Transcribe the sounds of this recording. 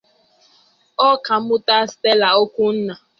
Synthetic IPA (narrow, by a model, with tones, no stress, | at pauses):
ɔ˦ka˨m̩˦ʊ˦ta˦ste˦la˨o˦kʷu˦n̩˦na˨